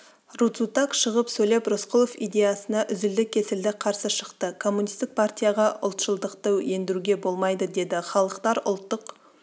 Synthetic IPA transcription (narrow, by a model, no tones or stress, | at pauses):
rut̪sut̪akʃəʁəpsɵjle̞prosqolˠofijd̪e̞jasənɑʔʏzɪld̪ɪkʲʰːe̞sɪld̪ɪqʰɑɾsəʃəqt̪əkʰo̞mːunijst̪ɪk̚pʰart̪ʲijɑʁɑʔʊlˠt̪ʃəlˠd̪əqt̪əwje̞nd̪ɪɾuɡʲe̞bo̞lˠmɑjd̪əd̪e̞d̪ɪχɑlˠəqt̪ɑɾʊ̰lˠt̪ːəq